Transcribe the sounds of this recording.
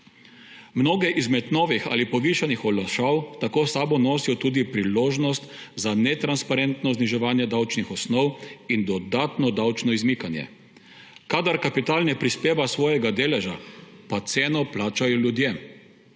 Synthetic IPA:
mnoːɡɛʔizmɛt̪nɔːʋixa̰ːlipɔʋiːʃanixɔlaʃawt̪akoːsaːbɔnoːsijɔt̪uːd̪ipɾiloːʒnɔst̪ | zanɛt̪ɾanspaɾent̪nɔzniʒɛʋaːnjɛd̪awt͡ʃnixɔsnɔwind̪ɔd̪aːt̪nɔd̪awt͡ʃnɔizmiːkanjɛ̰ | kaːd̪aɾkapit̪aːlnɛpɾispeːʋasʋɔːjɛɡad̪eːlɛʒapat̪seːnɔplaːt͡ʃajɔljud̪jem

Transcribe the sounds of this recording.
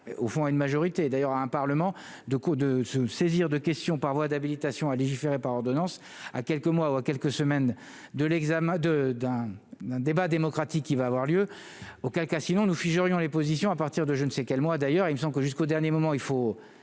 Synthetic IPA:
ofɔ̃aynmaʒɔʁit̪ed̪ajœʁaɛ̃paʁləmɑ̃ | d̪əkd̪əsəseziʁd̪əkʲɛst̪jɔ̃paʁvwad̪abilit̪asjɔ̃aleʒifeʁepaʁɔʁd̪ɔnɑ̃s | a̰kʲɛlkəmwauakʲɛlkəsəmɛn | d̪əlɛɡzamɛ̃d̪əd̪ɛ̃d̪ɛ̃d̪ebad̪emɔkχat̪ikʲːivaːvwaʁljø | okʲɛlkasinɔ̃nufiʒəʁjɔ̃lepozisjɔ̃apaʁt̪iʁd̪əʒənsɛkʲɛlmwad̪ajœʁilməs̬ɑ̃bləkəʒyskod̪ɛʁnjemɔmɑ̃ilfo

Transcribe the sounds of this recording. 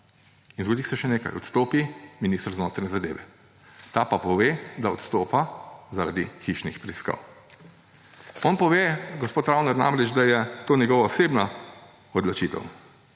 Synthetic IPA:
inzɡod̪iːsɛʃɛneːka̰jɔ̰t̪st̪oːpiminist̪ɾznoːt̪ɾnʲɛzad̪ḛːʋɛ̰ | t̪apapɔʋeːd̪aɔt̪st̪oːpazaɾa̰d̪ixiʃnḭxpɾɛiska̰ːw | ɔnpɔʋeɡɔspoːt̪ɾawnɔɾna̰mɾɛd͡ʒd̪ajɛt̪oːnjɛɡɔːʋaɔseːbna | ɔd̪lɔt͡ʃit̪ɛ̰w

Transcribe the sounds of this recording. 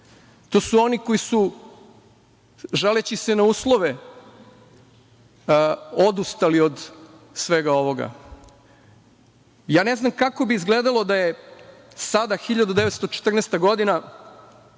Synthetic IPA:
t̪o̞ːsuo̞nikojisu | ʒalet͡ɕisenauːslˠo̞ʋe | o̞d̪ust̪alio̞d̪ | sʋe̞ɡao̞ʋo̞ɡa̰ | jaːne̞znamkako̞biːzɡled̪alˠo̞d̪aje | sad̪axiʎad̪ud̪eʋe̞t̪st̪o̞t͡ʃe̥t̪r̩nest̪aɡo̞d̪ina

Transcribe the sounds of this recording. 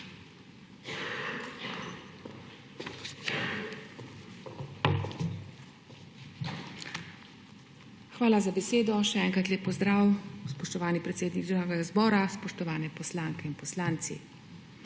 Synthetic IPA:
xʋaːlazabɛseːd̪ɔʃɛɛːŋkɾat̪leːpːɔzd̪ɾaːwspɔʃt̪ɔʋaːnipɾɛt̪seːd̪nikzaɡɛɡazbɔːɾaspɔʃt̪ɔʋaːnɛpɔslaːŋkɛinpɔslaːnt̪sḭ

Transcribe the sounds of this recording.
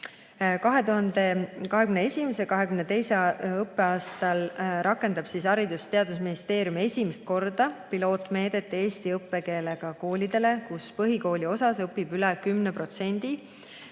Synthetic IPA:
kɑɦe̞t̪uɦɑnd̪e̞kɑɦe̞kymnee̞sʲimese̞kɑɦe̞kymnet̪e̞jseɤpːe̞ɑːst̪ɑlrʔɑkːˑe̞nd̪ɑb̥siːsɑɾid̪ust̪e̞ɑd̪usminist̪e̞ːɾjume̞sʲimest̪̚ko̞rd̪̥ɑpilo̞ːt̪ˑme̞ːd̪e̞t̪ːe̞ːst̪iɤpːe̞ke̞ːleɡ̥ɑko̞ːlʲid̪e̞le̞kuspɤɦiko̞ːlʲio̞sɑsɤpːibylɛkymnepro̞t̪se̞nʲd̪̥i

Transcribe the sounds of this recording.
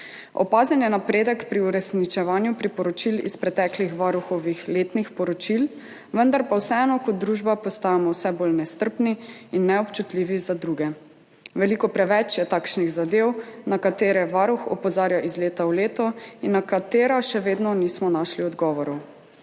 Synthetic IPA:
ɔ̰paːzɛnjɛnapɾeːd̪əkpɾiuɾɛsnit͡ʃɛʋaːnjupɾipɔɾɔt͡ʃilḭspɾɛt̪ɛklixʋaɾuxɔʋixleːt̪nixpɔɾɔt͡ʃil | ʋənd̪aɾpawsɛɛːnɔkɔt̪̚d̪ɾuʒbapɔst̪aːjamɔwsɛboːlnɛst̪əɾpniinːɛɔpt͡ʃut̪liːʋizad̪ɾuɡɛ | ʋɛlikɔpɾɛʋɛt͡ʃjɛt̪aːkʃniɣzad̪eːwnakat̪eːɾɛʋaːɾuxɔ̰pɔzaːɾjaʔizleːt̪awleːt̪ɔinːakat̪eːɾaʃɛʋeːd̪nɔniːsmɔnaːʃliɔd̪ɡɔʋɔɾɔw

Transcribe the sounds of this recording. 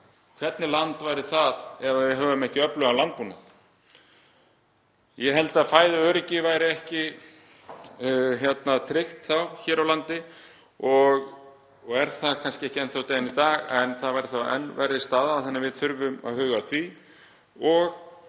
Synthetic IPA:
kʰvɛt̪nɪlant̪vaːjɾɪθaðɛvavɪɦœːvʏmɛhcɪœplœɣalant̪̚punaθ | jɛɦɛlt̪aðfaːjðʏœːɾɪcɪvajɾɪɛhcɪ | çjɛt̪nat̪ʰɾɪxt̪θawçɛːɾawlant̪ɪ | ɔɣ | ɣɛɾ̥θakʰanskcɪɛhcɪɛnθawt̪eːjanit̪aːɣɛnθaðvajɾɪ̥θaɛ̰nːvaɾɪst̪aːðaθɛnːavɪðθʏɾvʏma̰ðhʏːɣaθvi | ɔɣ

